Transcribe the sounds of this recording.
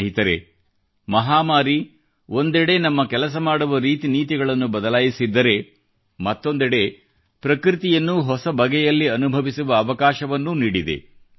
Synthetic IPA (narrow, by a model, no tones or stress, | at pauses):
ɦit̪ɐɾe̞̰ | mɐɦaːmaːɾi | o̞nd̪ɛɽe̞nɐmːɐkɛlɐs̬ɐmaːɽuʋɐɾiːt̪iniːt̪̬iɡɐɭɐnːubɐd̪ɐlaːjisid̪ːɐɾe̞ | mɐt̪ːo̞nd̪ɛɽe̞ | pɾɐkɾit̪ijɐnːuɦɔsɐbɐɡɛjɐlːiɐnubʱɐʋisuʋɐːʋɐkaːʃɐʋɐnːuniːɽid̪e̞̰